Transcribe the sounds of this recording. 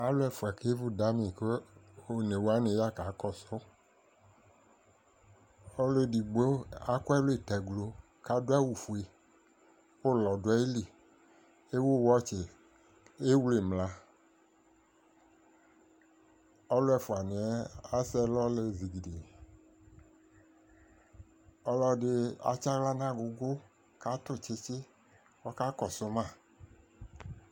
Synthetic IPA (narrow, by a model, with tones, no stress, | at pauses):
a˦lo˦ɛ˨fu˨a˨ke˦vu˦da˨˦mĩ˨ke˦o˦ne˨wo˦a˦ne˨ja˦ka˨˦kɔ˦sɔ˦ | ɔ˦le˦˨di˨ɡ͡bo˦a˦ko˦ɛ˦le˨tɛ˨ɡlo˨ | ka˨do˦a˦wu˨fu˨e˨ | wo˦lɔ˨do˨˦ɛ˦e˦li˨ | e˦wo˦˨wɔ˦t͡ʃe˨ | e˦wle˨mla˨˦ | ɔ˦lɛ˨fʊ˨a˨nɪ˨ɛ˦a˦sɛ˦lɔ˦le˨zi˨ɡi˨de˨ | ɔ˦lɔ˦dɪ˦a̰˨t͡ʃa˦ɣla˦nã˦˨ɡʊ˨ɡʊ˦ | ka˦tʊ˦˨t͡ʃe˦t͡ʃɪ˦ | wɔ˦ka˦kɔ˨sʊ˦mã˦˨